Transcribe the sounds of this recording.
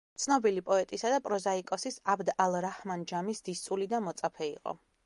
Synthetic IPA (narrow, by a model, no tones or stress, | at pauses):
t̪sʰnɔbilipʼɔɛt̪ʼisad̪apʼɾɔzaikʼɔsisabd̪alˠɾahmand͡ʒamisd̪̥ist̪sʼulid̪amɔt̪sʼapʰɛḭqʼɔ̰